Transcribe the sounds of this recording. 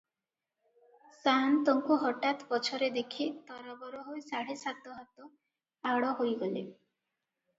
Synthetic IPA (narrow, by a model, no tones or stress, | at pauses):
sant̪ɔŋkuɦɔʈat̪pɔt͡ʃʰɔɾed̪ekʰit̪ɔɾɔbɔɾɔɦojsaɽesat̪ɔɦat̪ɔ | aɽɔɦojɡɔlḛ